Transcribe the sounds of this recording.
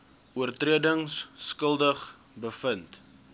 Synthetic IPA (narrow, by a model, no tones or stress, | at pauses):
uərtriədəŋsːkəlˠdəχ | bəfənt